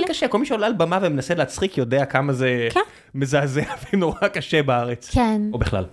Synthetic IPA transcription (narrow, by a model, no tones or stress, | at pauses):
lkaʃeko̞lmiʃeolealbamavemenaseleat͡sχikjodeakamaze̞k | mezaːzeavenoʁakaʃebaaʁet͡skenobiχla̰l